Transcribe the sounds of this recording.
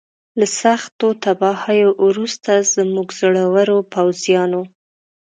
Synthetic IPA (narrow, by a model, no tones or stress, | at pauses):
lasaxt̪ot̪abɑhajoʔɾust̪azəmuɡz̥oɽawəɾopawzjɑno